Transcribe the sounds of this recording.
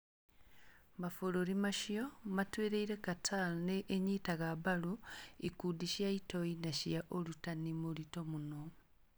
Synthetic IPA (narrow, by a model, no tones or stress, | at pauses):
mafoloɾimaʃiomatweːɾeiɾekatʰalneʔːɲitaɣabaluikudiʃjaitoinaʃiaʔolutanimolito̞muno